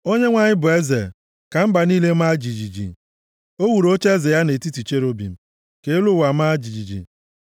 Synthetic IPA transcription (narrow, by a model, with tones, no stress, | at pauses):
o˦ɲe˦ŋʷa˨ɲɪ˦bʊ˨e˦ze˨ | ka˨m̩˦ba˨niː˦le˦m̩˦a˦d͡ʒi˨d͡ʒi˨d͡ʒḭ˨ | o˦wu˨ɾo˦t͡ʃe˦ze˨ja˦ne˨ti˦ti˨t͡ʃe˦ɾo˦bḭ˨m̩˨ | ke˨˦lʊ˦˨wa˨m̩˦a˦d͡ʒi˨d͡ʒi˨d͡ʒḭ˨